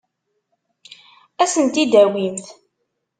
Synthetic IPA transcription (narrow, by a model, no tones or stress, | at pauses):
æsənt̪id̪æwimθ